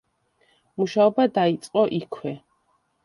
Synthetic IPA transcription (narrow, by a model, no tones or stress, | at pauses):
muʃaɔbad̪ait̪sʼqʼɔʔikʰwɛ